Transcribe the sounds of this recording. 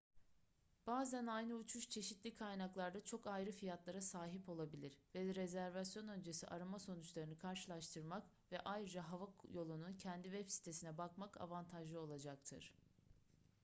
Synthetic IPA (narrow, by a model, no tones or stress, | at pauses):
b̥aːzænajnɯut͡ʃʰuʃt͡ʃʰe̞ʃit̪lʲikʰajnaklˠaɾd̪at͡ʃʰo̞kajɾɯfijat̪lˠaɾasaːɦipo̞lˠabilʲiɾvɛɾezæɾvasjo̞nø̞nd͡ʒe̞siʔaɾamaso̞nut͡ʃlˠaɾɯnɯkʰaɾʃɯlˠaʃt̪ʰɯɾmak | vɛʔajɾɯd͡ʒaɦavajo̞lˠununcʰɛnd̪ivɛpsi̥t̪ʰe̞sinɛbakmakʰa̰vant̪ʰaʒɯo̞lˠad͡ʒak̚t̪ʰɯ̰ɾ̥